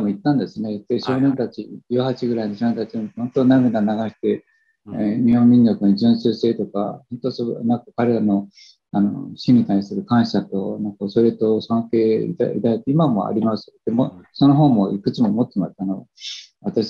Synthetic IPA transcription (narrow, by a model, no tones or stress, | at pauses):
iamo̞it̪ːãnd̪e̞sɨne̞t̪ːeɕo̞ːnẽ̞nt̪at͡ɕid͡ʑɨːhat͡ɕiɡɯ̟ɾainoɕonent̪at͡ɕihõ̞nt̪o̞naɡɯnanaɡaɕi̥t̪e̞ | ɲihõ̞mmʲĩɲːokɯnʑɨ̃ɰsɨːse̞ːt̪o̞ka̰hõnt̪o̞sonãŋkakaɾe̞ɾano̞ | ano̞̰ɕĩɲ̟ːit̪aisɨɾɯ̟kãɰ̃ɕat̪o̞nãŋkaoso̞ɾet̪o̞sõŋke̞ːḭt̪a̰ḭt̪ait̪ːeimamo̞̰a̰ɾʲimasɨ̥d̪̥emoso̞no̞ɦõ̞mːo̞ʔikɯ̟t͡ɕimo̞mot̪ːemast̪anoβat̪aɕ